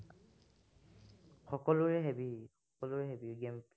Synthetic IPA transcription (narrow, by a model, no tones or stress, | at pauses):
xɔkɔlʊɹɛɦebixɔkɔlʊɹɛɦebiɡemp